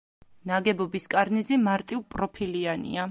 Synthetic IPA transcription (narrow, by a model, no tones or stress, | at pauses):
naɡɛbɔbiskʼaɾnizimaɾt̪ʼivpʼɾɔpʰilianḭa